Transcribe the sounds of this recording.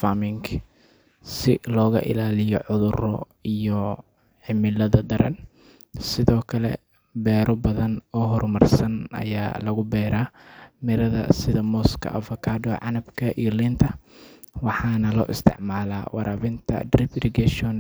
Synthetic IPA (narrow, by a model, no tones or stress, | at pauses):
famɪŋk | sɪlɔːɣɐ̰ʔɪ̰laːlɪjɔʕʊðʊrɔ̰ | ijɔ | ħɪmɪlɐðɐd̪ɐɾɐ̰n | sɪðɔːkʰɐlɛ̰ | bɛːɾɔbɐðɐnɔːɦɔrmɐrsɐnʔɐ̰ja̰ːlɐɣʊbɛːɾaːmɪɾɐðɐ̰sɪðɐmɔːskʰɐ̰ʔɐ̰fɔkʰaːdɔʕɑnɐbkʰɐʔijɔlint̪ʰɐ | wɑħɑːnɐlɔ̰ːʔɪ̰st̪ʰɪ̰ʕmaːla̰ːwɑ̰ɾʔaːβɪnt̪ʰɐ̰drɪbrɪɡɛʃɔn